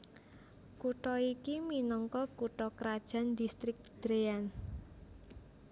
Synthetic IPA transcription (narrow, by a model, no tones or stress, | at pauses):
kuʈɔikiminɔŋkɔkuʈɔkɾad̥ʒ̥a̤nd̪ist̪ɾɪk̚d̪̥ɾean